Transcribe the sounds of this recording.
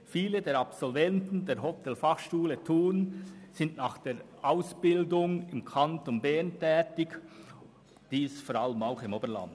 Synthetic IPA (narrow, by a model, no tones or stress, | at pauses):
fiːlədeːɾɑpsɔlvɛntn̩deːɾɦɔtʰɛlfɑχʃtuːlətʰuːənz̥ɪndnaːχd̥eːɾʔaʊsb̥ɪldʊŋɪmkʰɑntonbɛntʰɛːtɪk | d̥iːsfɔːɾaləmaʊxɪmoːbəlɑ̰nd